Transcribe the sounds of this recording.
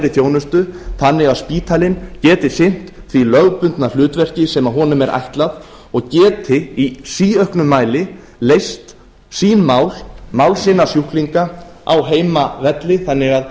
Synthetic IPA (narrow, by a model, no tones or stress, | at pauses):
ɾɪθjoːwnʏst̪ʏθanːɪɣaðspiːt̪ʰalɪncɛːt̪ɪ̥sɪn̥t̪θvilœɣpʏnt̪nalʏːt̪vɛr̥cɪsɛmaɦɔːnʏmɛɾʔa̰jht̪lað | ɔɣcɛːt̪ʰɪisiːœhknʏmːaːjlɪ | lejst̪ | siːnmaːwlmawlsɪnːasjuhkliŋkaa̰wɦeːjmavɛt̪lɪθanːɪɣað